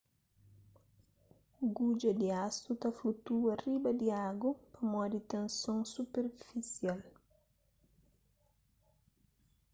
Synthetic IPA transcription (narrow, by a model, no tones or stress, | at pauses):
ɡud͡ʒɐd̪iast̪ut̪afut̪uɐribɐd̪iaɡupɐmɔd̪it̪ẽnsõŋsupeɾfisjal